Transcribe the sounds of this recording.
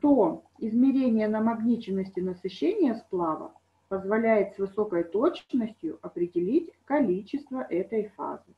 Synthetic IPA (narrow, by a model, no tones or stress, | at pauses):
t̪o | ɪzmʲɪɾʲenʲɪjənəmɐɡnʲit͡ɕɪnːəsʲtʲɪnəsɨɕːenʲɪjəsplˠavə̰ | pəzvɐlʲæjɪt̪svɨso̞kəjt̪ot͡ɕnəsʲtʲjʊ̰ʔɐpɾʲɪdʲɪlʲitʲkɐlʲit͡ɕːɪst̪vəʔɛt̪əjfa̰zɨ